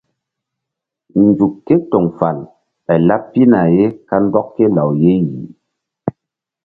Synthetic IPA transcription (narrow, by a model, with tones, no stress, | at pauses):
n̩˨d͡zu˨kːe˦tɔ˨ŋfa˨l | ɛ˨la˦ppːi˦na˨je˦ka˦n˦dɔ˦kke˦la˨wje˦ji˨